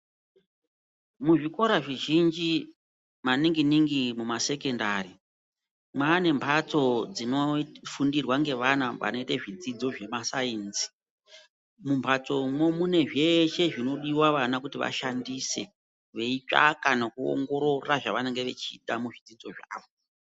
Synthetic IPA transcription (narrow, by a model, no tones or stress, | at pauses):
muʐiko̞ɾaʐiʒind͡ʒi | maniŋɡiniŋɡimumase̞ke̞ndari | mwaːne̞mpʰat͡so̞d͡zino̞fundirwaŋɡe̞ʋanaʋa̰no̞itaʐid͡zid͡zo̞ʐe̞masainzi̥ | mumpʰat͡so̞momune̞ʐe̞ʃe̞ʐino̞ɗiwaʋanakutiʋa̰ʃandise̞̰ | ʋe̞it͡ʂa̰kanakuo̰ŋɡo̞ɾo̞raʐaʋane̞ŋɡe̞ʋe̞̰t͡ʃiɗamuʐid͡zid͡zo̞ʐa̰ːʋo̞